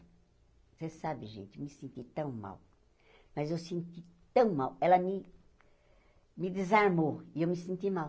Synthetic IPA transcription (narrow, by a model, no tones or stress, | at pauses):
sesabɪʒḛ̃nt̪mɪsẽnt̪it̪ɐ̃w̃ma̰w | mɐzewsẽnt̪it̪ɐ̃w̃mawɛlɐmɪ | mɪd̪ɪzaɾmoiewmɪsẽnt̪imaw